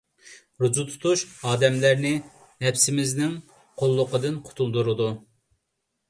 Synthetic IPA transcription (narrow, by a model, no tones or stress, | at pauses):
ɾud͡ʒut̪ʰu̥t̪ʰuʃɑːd̪ɛmlæɾnɪ | hɛpsɪmɪznɪŋ | qʰolˠːʊqəd̪ɨnqʰʊ̥t̪ʰulˠd̪uɾɨd̪u